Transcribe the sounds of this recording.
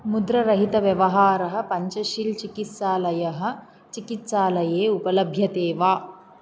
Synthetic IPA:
mud̪ɾɐɾɐɦit̪ɐʋjɐʋɐɦaːɾɐɦɐ̆pɐɲt͡ʃɐʃilt͡ʃikit̪saːlɐjɐɦɐ̆ | t͡ʃikit̪saːlɐjeːupɐlɐbʱjɐt̪eːʋaː

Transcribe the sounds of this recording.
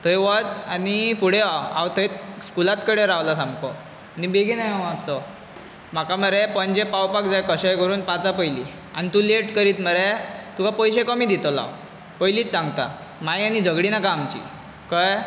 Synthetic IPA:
t̪ʰəjʋət͡sanifuɽeaa̰wt̪ʰəjt̪skulat̪kəɽeɾaʋlasãmkɔ | anibeɡʱinajaʋat͡sɔ | m̤akaməɾepəɲd͡ʑepawpak̚d͡zajkəɕajkəɾuːnpat͡sapəjli | a̰nit̪uleʈkəɾiːt̪məɾet̪ukapəjɕekəmiːd̪it̪ɔla̰ | pəjliːt̪t͡sãŋɡt̪a̰ | majanid͡zʱəɡɽinakaːmt͡ɕḭ | kaj

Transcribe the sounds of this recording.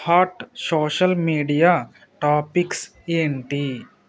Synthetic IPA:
haːʈsoːʃəlmiːɖijaː | ʈaːpɪks | eɳʈiː

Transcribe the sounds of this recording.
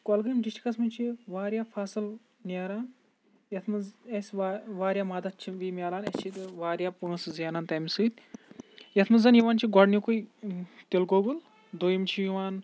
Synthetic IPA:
kɔlɡɨimɖiʃʈi̥kɐsmɐnʲt͡ʃʰiʋaːɾʲjaːfʰaːsɨl | nʲeːɾaːn | jɐt̪ʰmɐesʲaʋaːɾjaːmaːd̪ɐt̪̚t͡ʃʰiʋiːmʲjaːlaːnɐst͡ʃʰit̪ʋaːɾjaːpunɐszjaːnaːnt̪ɐmisɨːt̪ | jɐt̪ʰmɐzɐnjiʋaːnt͡ʃʰiɡɔɖnjikujt̪ilɡoɡul | d̪oːjimt͡ʃʰijuʋaːn

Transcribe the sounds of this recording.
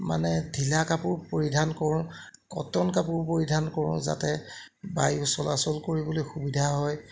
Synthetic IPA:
ma̰nɛdʱilakapʊɹpoɹidʱankɔɹʊ̃ | kɔ̰tɔnkapʊɹpoɹidʱankɔɹʊ̰̃za̰tɛ | bajʊsɔlasɔlkoɹibɔlojxubidʱaɦɔj

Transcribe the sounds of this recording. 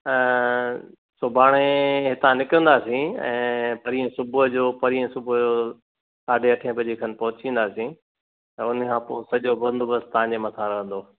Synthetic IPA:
sʊbʱaːɽ̃eɦɪt̪ãnɪkə̃ːnd̪aːsĩɛ̰̃ːpɐɾiːə̃sʊbʊd͡ʑoːpɐɾiːə̃sʊbʊd͡ʑoː | saːɖʱeɐʈʰẽpɐd͡ʑikʰɐnɪpɐɦʊt͡ɕĩːn̆d̪aːsĩ | t̪ɛ̃ʊnkʰãːpoːsɐʄobɐ̃nd̪ʊbɐst̪ɐãɲd͡ʑemɐt̪ʰaɾɐɦə̃nd̪oː

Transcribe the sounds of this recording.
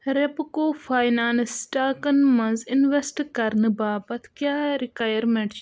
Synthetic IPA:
ɾepkoːfʰaːjnaːnsʈaːkɐnmɐnzinʋesʈkɐɾnɨbaːpɐt̪ʰkjaːɾikaːjɐɾmeɳʈ

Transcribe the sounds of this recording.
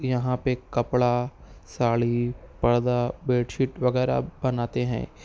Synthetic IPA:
jɐɦãpekɐpɭasaːɭipɐɽd̪abeːʈʃɪʈʋɐɡɛːɾa̰bɐnaːt̪eɦɛ̰̃ː

